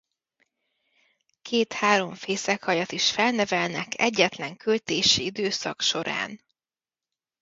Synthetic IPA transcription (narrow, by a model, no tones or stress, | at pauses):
kʰeːt̪haːɾo̞ɱfeːsɛkhɒjɒt̪iʃfɛlnɛvɛlnɛkʰɛɟːɛt̪lɛŋkølt̪eːʃiid̪øːsɒkʃo̞ɾa̰ːn